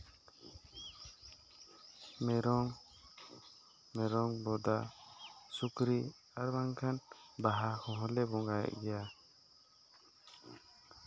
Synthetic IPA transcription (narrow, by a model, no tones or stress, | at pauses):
mɛɾɔŋ | mɛɾɔŋbɔd̪a | sukɾi | aɾbaŋkʰanbaɦakʰɔ̃ɦɔ̃lɛbɔŋɡajɛ̰ʔɡɛja